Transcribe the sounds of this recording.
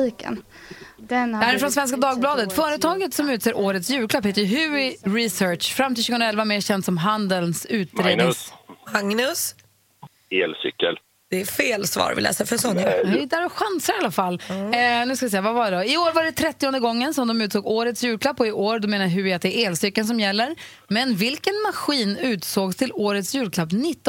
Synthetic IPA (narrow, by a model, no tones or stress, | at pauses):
iːkə̰n | d̪æːɾɪfɾɔnsvɛns̬kad̪ɑːɡ̚blɑːd̪ət̪fœːɾət̪ʰɑːɡət̪sɔmʉ̟ːt̪seːɾʔoːɾət̪sjʉ̟ːɾkʰlapheːt̪əjɦʉ̟ɪɾɪsœːʈʂfɾamt̪ɪlʃʉ̟ɡɵnɾaɛlvameːɾɕɛnd̪sɔmɦand̪əlnsʉ̟ːt̪̚d̪ɾeːd̪maŋnɵs | eːlsʏ̰kːəl | d̪̥ɛæfeːlsvɑ̰ːɾvɪ̰lɛ̰ːsafœɾsɔŋːaɛd̪æːɾɔɧansəɾɪalːafalːnʉ̟skavɪsɛjːavavad̪ɔɪoːɾvaɖɛt̪ʰɾɛt̪ːɪɔnd̪əɡɔŋːənsɔmd̪ɔmʉ̟ːt̪soːɡoːɾət̪sjʉ̟ːɾklapːɔɪʔoːɾd̪ɔmeːnaɾɦʉɾɪat̪̚d̪ɛæɾeːlsʏkːəlns̬ɔmjɛlːəɾ | mɛnvɪlkənmaɧiːnʉ̟ːt̪soːɡst̪ʰɪloːɾət̪sjʉ̟ːɾkʰlapːnɪt̪ː